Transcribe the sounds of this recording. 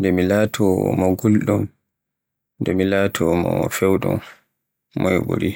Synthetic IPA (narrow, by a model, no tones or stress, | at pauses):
ndɛmilaːtʰɔmɔɡulɗɔn | ndɛmilaːtʰɔmɔ̰fɛwɗṵm | mɔjbṵɾi